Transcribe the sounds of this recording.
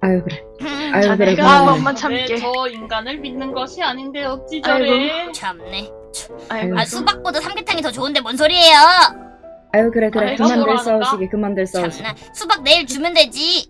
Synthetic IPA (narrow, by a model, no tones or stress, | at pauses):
ajokɯɾe | ajɡokɯɾekɯmaat͡ɕʰeʌinɡanɯɭminːɯnɡʌɕʰiaɲindejot͡ɕ͈id͡ʑɡot͡ɕʰanekt͡ɕʰoaasʰubak̚p͈odosʰamɡetʰaŋitʌt͡ɕoɯnde̞mwʌnsʰoɾiɦe̞jo | ajɯkɯɾekɯɾekɯmmːandeɭs͈auɕʰiɡekɯmːandɯɭs͈auɕʰine | sʰubak̚ne̞iɭt͡ɕumjɯndwe̞d͡ʑi